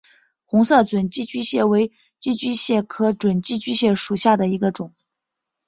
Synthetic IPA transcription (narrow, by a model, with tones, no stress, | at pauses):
xʊ˧˥ŋsɤ˥˩t͡swə˨˩nt͡ɕi˥˧t͡ɕy˥ɕjɛ˥˩we˧˥ɪ | t͡ɕi˥t͡ɕi˥ɕjɛ˥˩kʰɤ˧˥t͡swə˨˩nt͡ɕi˥˧t͡ɕy˥ɕjɛ˥˩ʂu˨˩ɕja˥˩d̪ə˩i˧˥ɡə˧ʈ͡ʂʊ˨˩˦ŋ